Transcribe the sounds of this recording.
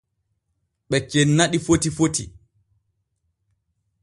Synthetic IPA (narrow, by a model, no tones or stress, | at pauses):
ɓɛt͡ʃenːaɗifotifotḭ